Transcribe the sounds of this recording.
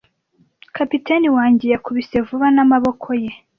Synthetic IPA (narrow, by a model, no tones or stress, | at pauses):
kapiteniwaːɲɟe̞jakuβise̞vuβanamaβo̞kʰo̞je̞